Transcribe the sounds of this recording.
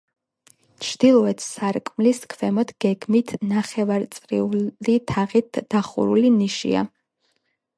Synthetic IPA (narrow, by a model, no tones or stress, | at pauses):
t͡ʃʰd̪̥ilˠɔɛt̪ʰsaɾkʼmliskʰvɛmɔt̪ɡ̥ɛɡmit̪ʰnaχɛvaɾt̪sʼɾiulit̪ʰaʁit̪d̥̪aχṵɾuliniʃḭa̰